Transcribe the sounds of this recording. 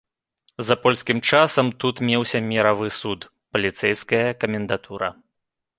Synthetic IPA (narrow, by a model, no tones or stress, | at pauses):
zɐpɔlʲskʲimt͡ʂasɐmt̪ut̪mʲewsʲɐmʲɛɾavɨsut̪ | pɐlʲit̪sɛjskɐjɐkɐmʲɛnd̪at̪ʰuɾɐ̰